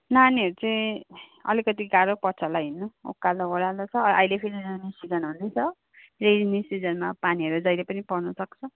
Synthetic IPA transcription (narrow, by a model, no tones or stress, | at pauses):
naniʌɾut͡sʌĩ | ʌ̰likʌt̪iɡaɾopʌt͡sʰʌlaɦinːoo̰kːaloɦoɾalot͡sʰʌʔa̰jlepʰiɾiɾanisid͡zʌnɦund̪ejt͡sʰʌ | red͡znisid͡zʌnmapaniɦʌɾud͡zʌjlepʌnipʌrnʌsʌkt͡sʰʌ